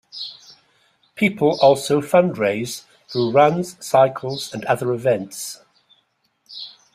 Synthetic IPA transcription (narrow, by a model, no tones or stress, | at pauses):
pʰiˑpʰəlɔˑlˠsoʊfʌ̃ndɹeɪz̥ | θɹuːɹʌ̃nz̥saɪkʰəlˠz̥ə̃nʌðəɹɪvɛ̃nts